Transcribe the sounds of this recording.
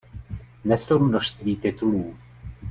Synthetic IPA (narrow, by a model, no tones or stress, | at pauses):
nɛsowmnoʃst̪viːt̪ɪt̪uluː